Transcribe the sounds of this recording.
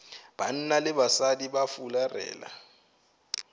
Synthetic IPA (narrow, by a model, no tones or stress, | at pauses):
b̥an̩nalɪɓasadiɓafularɛ̰ːla̰